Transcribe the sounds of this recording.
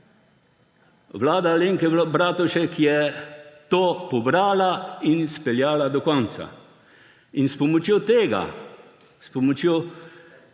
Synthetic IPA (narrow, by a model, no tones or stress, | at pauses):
ʋlaːd̪aleːŋkɛbɾaːt̪ɔʃɛkijɛt̪oːpɔbɾaːlainspɛljaːlad̪ɔkɔnt̪sa̰ | inspɔmɔt͡ʃjoːt̪eːɡa̰ | spɔmɔt͡ʃjo